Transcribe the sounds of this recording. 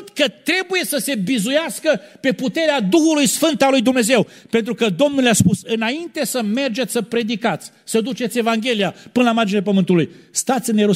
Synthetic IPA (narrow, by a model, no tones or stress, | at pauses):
t̪kət̪ɾe̞buje̞səse̞bizujaskəpe̞put̪e̞ɾead̪uxulujsfɨnt̪alujd̪umne̞ze̞wpe̞nt̪ɾukəd̪o̞mnulejaspusɨnaint̪e̞səme̞rd͡ʒe̞t̪ʲsəpɾe̞d̪ikat̪sʲ | səd̪ut͡ʃe̞t̪sʲe̞vaŋɡʲe̞lijapɨnəlamard͡ʒinelepəmɨnt̪ulujst̪at̪sʲneɾu